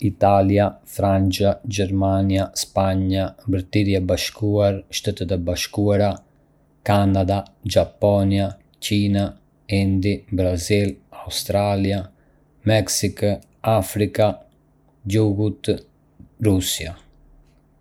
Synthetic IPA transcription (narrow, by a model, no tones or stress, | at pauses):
it̪aljafɾant͡ʃad͡ʒɛɾmaniaspaɲabɾt̪iɾjabaʃkuaɾʃt̪ɛt̪ɛt̪ɛbaʃkuaɾa | kanad̪ad͡ʒapɔnia | cina | ind̪ibɾazilaust̪ɾalja | mɛksik | afɾika | d͡ʒuɡut̪ | rusia